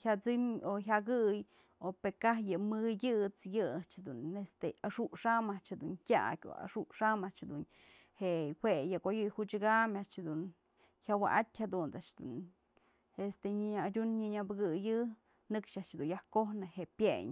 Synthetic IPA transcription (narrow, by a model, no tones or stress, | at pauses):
hat͡sɨmoɦʲaɡɨj | opekahjɨmɨjɨt͡sjɨat͡ʃhad̪unest̪eaʂuʔʂamaʔt͡ʃhad̪unkʲa̰ʔkʲo̰a̰ʂuʔʂamaʔt͡ʃhad̪un | hehwejɨkojɨjhut͡ʃɨɡamaʔt͡ʃhad̪un | çʲjawa̰ʔat̪ʲhad̪unt͡saʔt͡ʃd̪ṵn | est̪eɲaadʲunɲɨɲabɨɡɨjɨ | nɨkʂaʔt͡ʃhed̪unjahkohnɨhepjeɲ